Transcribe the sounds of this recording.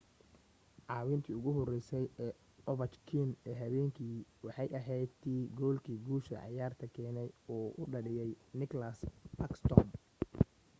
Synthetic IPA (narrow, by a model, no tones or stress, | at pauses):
ʕɑːwɪnt̪ʰiːʊɣʊɦɔrɛjsɛjɛː | ɔβɐt͡ʃkʰinɛːɦɐβɛːŋkʰiːwɑħɑjʔɐɦɛjt̪iːɡɔːlkʰiːɡuːʃɐ̰ʕɑ̰jaːrt̪ʰɐkʰɛːnɛjɔːʔʊɖɐɽɪjɛjnɪklɐsɐkst̪ʰɔm